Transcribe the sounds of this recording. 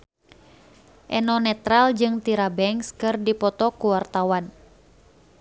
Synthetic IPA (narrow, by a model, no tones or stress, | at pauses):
ʔɛnɔnɛt̪ɾald͡ʒɨŋt̪iɾabɛŋskɨrdipɔt̪ɔkuwart̪awan